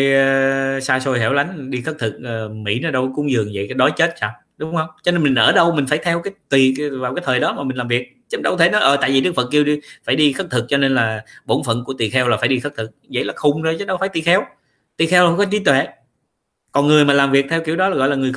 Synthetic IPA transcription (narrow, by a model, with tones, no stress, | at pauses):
jsaː˧so˧jɦḛ˧˩wla˨˦jŋ̟ɗi˧xə˦˥t̚t̪ʰɨ˨˩k̚əː˨˩mḭ˧˥nɔ˨˧˦ɗə˧wkʊ̰˧˥ŋ͡mzɨ˨˩əŋzə̰˧˨jkːɗɔ˨˦jt͡ɕe˦˥t̚saː˧˩w | ɗʊ˨˦ŋ͡mhə˧wŋ͡mt͡ɕɔ˧ne˧nmï˨˩ŋ̟ʔəː˧˩ɗə˧wmï˨˩ŋ̟faː˧˩jt̪ʰɛ˧wkaː˨˦jt̪wi˨˩vaː˨˩wkaː˨˦jt̪ʰəː˨˩jɗɔ˨˦maː˨˩mi˨˩ŋ̟laː˨˩mvi˨˩ək̚t͡ɕːɗə˧wt̪ʰe˧˦nɔ˨˦jʔəː˨˩t̪a̰ː˧˨vi˨˩ɗɨ˦˥əkfə˨˩t̚ki˧əwɗi˧faː˧˩jɗi˧xə˦˥k̚t̪ʰɨ˨˩k̚t͡ɕɔ˧ne˧nlaː˨˩ɓo˧˩nfə̰˧˨nku˧˩ət̪i˨˩xɛ˧wlaː˨˩faː˧˩˦jɗi˧xə˦˥t̪ʰɨ˨˩k̚zə̰˧˥jlaː˨˩xʊ˧ŋ͡mzo˧jt͡ɕə˧˦ɗə˧wfaː˧˩˦jt̪i˧˨˩xɛ˧w | t̪i˨˩xɛ˧wla˨˧˦kɔ˨˦t͡ɕ̪i˧˦t̪wɛ˧˨ | kɔ˨˩nŋɨ˨˩əjmaː˨˩laː˨˩mvi˨˩ək̚t̪ʰɛ˧wki˧˩əwɗɔ˨˦laː˨˩ɣɔ̰˧˨jlaː˨˩ŋɨ˨˩əj